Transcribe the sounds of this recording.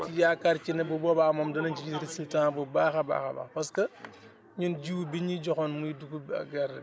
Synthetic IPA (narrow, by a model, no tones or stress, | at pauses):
ijaːkaɾcinɐbɔbɔbamɐmdɐnɐɲt͡ʃiɾisiltãːbɔbaːxɐba̰ːxɐ̰bɐ̰xpɐskɐ | ɲunɟiwbiɲiɟɔxɔnmujiduɡubɐ̰ɡɐɾ